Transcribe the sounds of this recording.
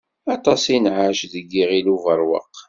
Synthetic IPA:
ɑt̪ˤɑsinʕaʃðəɡːiʁiluvəɾˤwə̰qː

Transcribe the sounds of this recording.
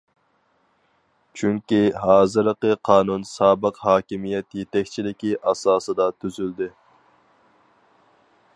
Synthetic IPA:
t͡ʃʰyŋkʲiɦɑːzɨɾəqəqʰɑːnunsɑːbəqhɑːkʲimijɛt̪jet̪ɛkʲt͡ʃʰilɪkʲiʔɑsɑːsɨd̪ɑt̪ʰyzyld̪ɪ

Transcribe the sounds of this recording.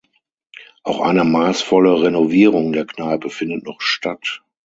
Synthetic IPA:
ʔaʊxʔa̰ɪnəmaːsfɔləʁenoviːʁʊŋdeːɐknaɪbəfɪndətnɔχʃtʰat

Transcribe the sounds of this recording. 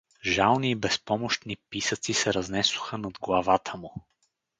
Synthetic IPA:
ʒalˠniːbɛspɔmʊʃt̪nipisət̪sisɛɾɐznɛsʊ̥xənɐd̪ɡlˠɐvat̪ʰəmʊ

